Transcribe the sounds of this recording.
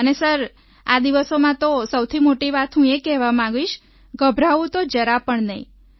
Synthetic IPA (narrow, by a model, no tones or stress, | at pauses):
ənesəɾ | ad̪iʋəsomãt̪osəwt̪ʰimoʈiʋat̪ɦũekɛɦʋamãɡiʃ | ɡəbʱɾaʋũt̪od͡ʒəɾapəɳnəḭ̃